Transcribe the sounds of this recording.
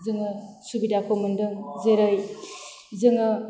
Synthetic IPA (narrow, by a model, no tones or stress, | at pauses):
zɯŋɯsubidapʰomɯndɯŋzeɾɯj | zɯŋɯ